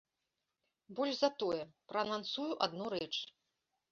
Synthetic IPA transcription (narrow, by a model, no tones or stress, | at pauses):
bɔlʲʐzɐt̪ɔjɛpɾɐnansujuʔad̪nɔɾɛt͡ʂ